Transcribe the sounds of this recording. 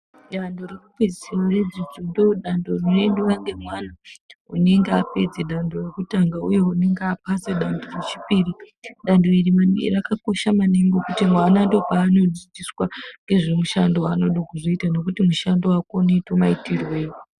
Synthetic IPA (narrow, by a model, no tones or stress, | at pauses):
ɗandoreruped͡zisirwared͡zid͡zondoɗandorinoenduwaŋɡe̞mwanaṵne̞ŋɡeape̞d͡zeɗandorekutaŋɡauje̞une̞ŋɡeapaseɗandoret͡ʃipiːriɗandoirimanḭrakako̞ʃamaneŋɡokutimwanandopaːno̞d͡zid͡ziswaŋɡe̞ʐemuʃandoano̞ɗokuzoitano̞kutimuʃandoakonetomaitirwe̞ːjo